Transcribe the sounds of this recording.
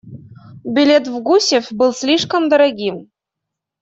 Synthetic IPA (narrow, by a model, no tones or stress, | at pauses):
bʲilʲet̪vɡusʲefʲbɨlˠsʲlʲiʂkə̆md̪ɤ̆ɾɑɡʲim